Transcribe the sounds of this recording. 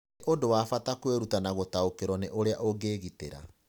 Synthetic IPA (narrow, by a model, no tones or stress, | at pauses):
ʔodowafatakweɾutanaɣotaokeɾɔneʔoɾeaʔoɡeːɣitḛɾa̰